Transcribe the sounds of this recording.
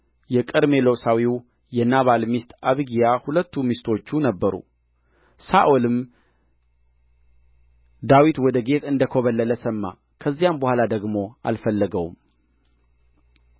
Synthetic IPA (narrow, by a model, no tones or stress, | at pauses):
jɛkʼɨd̪me̞lowsawiw | jɛnaβalmist̪aβɡijahulət̪ːumist̪ʰo̞t͡ʃːunəbːəɾṵ | saʔolɨm | d̪awit̪wɔd̪əɡe̞t̪ʰɨnd̪əkʰoβəlːələsəmːa̰ | kʰəzːijambəhʷalad̪əɡmo̞a̰lfəlːəɡəwṵm